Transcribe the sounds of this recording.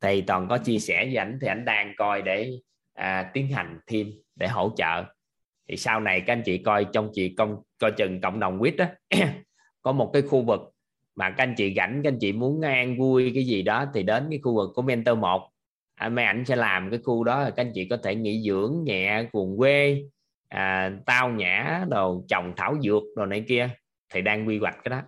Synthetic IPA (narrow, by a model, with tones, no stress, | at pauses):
t̪ʰi˨˩t̪ɔ˨˩nkɔ˨˦t͡ɕi˧əsɛ˧˩zɨ˧˦ʔa˧˩jŋ̟t̪ʰi˨˩ʔa˧˩jŋ̟ɗaː˧ŋkɔ˧jɗe˧˩ | ʔaː˨˩t̪i˨˦ənɦa˨˩jŋ̟t̪ʰi˧m | ɗe˧˩ɦo̰˧˥˩t͡ɕə̰ː˧˨ | t̪ʰḭ˨˩saː˧wna˨˩jka˨˦˥ʔa˧jŋt͡ɕḭ˧˨kɔ˧jt͡ɕɔ˧wŋ͡mt͡ɕḭ˧˨kə˧wŋ͡mkɔ˧jt͡ɕɨ˨˩ŋkə̰˧˨wŋ͡mɗə˨˩wŋ͡mkwi˦˥ət̚ʔa˨˦ | kɔ˨˦mo˨˩t̚kaː˨˦jxu˧vɨ˨˩k̚ | maː˨˩kjŋ̟t͡ɕḭ˧˨ɣa˧˩jŋ̟ka˦˧jŋ̟t͡ɕḭ˧˨mu˨˦ən˧ʔaː˧ŋvu˧əjkaː˨˦jzi˨˩ɗɔ˨˦t̪ʰi˨˩ɗe˨˦nkaː˨˦jxu˧vɨ˨˩kːu˧˩əmɛ˧nt̪əː˧mo˨˩k͡p̚ | ʔa˧ma˨˦jʔa˧˩jŋ̟sɛ̰˧˥laː˨˩mkaː˨˦jxu˧ɗɔ˨˦laː˨˩ka˧ŋ̟t͡ɕḭ˧˨kɔ˨˦t̪ʰe˧˩ŋḭ˧˥zɨ̰˧˥əŋɲa̰ː˧˨ku˨˩əŋkwe˧ | ʔəː˨˩t̪aː˧wɲa̰ː˧˩˦zo˨˩jt͡ɕə˨˩wŋ͡mt̪ʰaː˧˩wzɨ̰˧˩ək̚ɗo˨˩na˨˩jki˧ə | t̪ʰi˨˩ɗaː˧ŋɣwi˧ɣwa˨˩k̟̚kaː˨˦jɗɔ˨˦